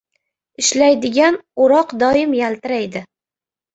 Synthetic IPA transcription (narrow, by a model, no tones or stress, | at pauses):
ɪʃlajd̪ɪɡʲanʊɾɒqd̪ɒɪmjalt̪ɪɾajd̪ɪ